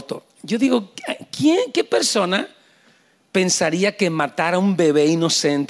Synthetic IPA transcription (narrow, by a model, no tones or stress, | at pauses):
t̪o̰ | ɟ͡ʝo̞ðiɣo̞kjeŋke̞peɾso̞na | pe̞nsaɾiake̞mat̪aɾaumbe̞βe̞ino̞se̞nt̪